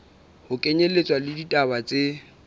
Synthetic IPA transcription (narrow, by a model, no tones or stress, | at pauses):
hʊkʼeɲelet͡sʼwalɪditʼabat͡sʼe